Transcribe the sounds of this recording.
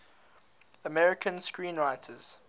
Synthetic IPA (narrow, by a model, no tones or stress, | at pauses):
əmɛɹɪkʰə̃nskɹĩːnɹaɪtʰəz̥